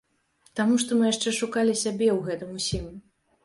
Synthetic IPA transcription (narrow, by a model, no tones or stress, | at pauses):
t̪amuʂt̪ɔmɨjaʂt͡ʂɛʂukalʲisʲabʲɛwɣɛt̪ɨmusʲim